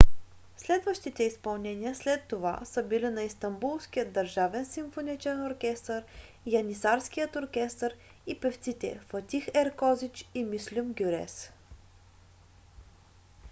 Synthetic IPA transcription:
slɛd̪vəʃt̪it̪ɛispɐlˠnɛnʲiəslɛt̪ːova̰səbilinɐist̪ɐmbulˠskijəd̪ːəɾʒavɛnsimfonit͡ʃɛnoɾkʲɛst̪əɾ | jɐnisaɾsk̟ijət̪oɾkʲɛst̪əɾ | ipɛft̪sit̪ɛ̰fət̪ʲixɛɾkɔzit͡ʃimislʲumɡʲuɾɛ̰s

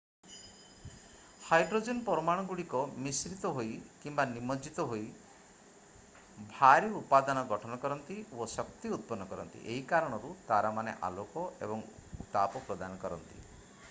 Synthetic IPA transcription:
hajɖɾod͡ʒenpɔɾɔmaɽ̃ɔɡuɽikɔmisɾit̪ɔɦojkimbanimɔd͡ʒit̪ɔɦoj | bʱaɾiupad̪ɔnɔɡɔʈʰɔnɔkɔɾɔnt̪iosɔkt̪iut̪̚pɔnːɔkɔɾɔ̰nt̪ḭʔeɦikaɾɔɽ̃ɔɾut̪aɾamanḛʔa̰lokɔḛbɔŋut̪apɔpɾɔd̪anɔkɔɾɔ̰nt̪ḭ

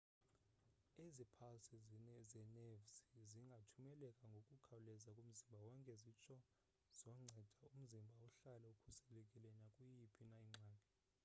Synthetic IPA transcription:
ezipʰasizzɛnevsiziŋɡʱatʰumɛlɛkʼaŋɡʱokʼukʰawulɛzakʼum̩zimbʱawɔŋkʼɛzit͡ʃʰʼɔ | z̥ɔŋ͡ǀʱɛd̥ʱaum̩zimbʱauɬalɛukʰu̥sɛlɛkʼilɛnakʼujipʰinaiŋ͡ǀʱaːnʱɛ

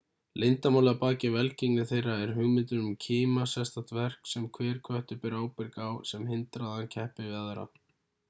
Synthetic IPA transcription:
lejnt̪amawlaɣapaːcɪvɛlciŋnɪθejrːaɛɾ̥ɦʏɣmɪnt̪ʏnʏmcʰiːmasɛst̪at̪vɛr̥ksɛmkʰvɛːɾ̥kʰvœht̪ɪpɪɾaːwpɪɾkawsɛmɦɪnt̪ɾaðancʰɛhpɪvɪaðɾa̰

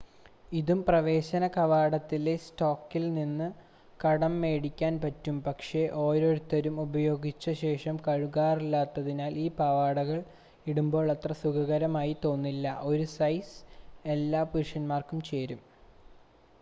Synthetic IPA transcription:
iðumprɐʋe̞ːɕɐnɐkɐʋaːɽɐt̪ːile̞stoːkːilninːɨ | kɐɽɐmːe̞ːɽikʲːaːnpɐtːumpɐkʂeʔo̞ːɾo̞ːɾut̪ːɐɾumubɐjo̞ːɡit͡ɕːɐɕe̞ːʂɐmkɐɻuɣaːrilːaːt̪ːɐðinaːliːpɐʋaːɽɐɣɐɭ | iɽumbo̞ːɭɐt̪rɐsukɐɣɐɾɐmaːjit̪o̞ːnːilːɐ̰ʔo̞ɾusɐjse̞lːaːpuɾʂɐnmaːrkumt͡ɕe̞ːɾum

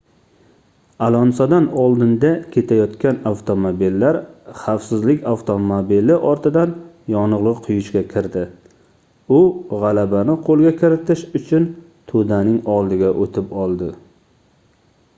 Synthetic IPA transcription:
alɒnsɒd̪anɒlˠd̪ɪnd̪akʲʰe̞t̪ʰajɒt̪kʲʰanawt̪ʰomobilːaɾχawsɪzlɪkʲawt̪ʰomobilɪʔɒɾt̪ʰɪd̪an | jɒnʊʁlˠɨqqʰʊjʊʃkʲakʲʰɪɾd̪ɪ | ʊʁalabanɪqʰolˠɡʲakʲʰɪɾɪt̪ʰɪʃʊt͡ʃʰʊn | t̪ʰod̪anɪŋɒlˠd̪ɪɡʲaʔot̪ʰɪpɒlˠd̪ɪ

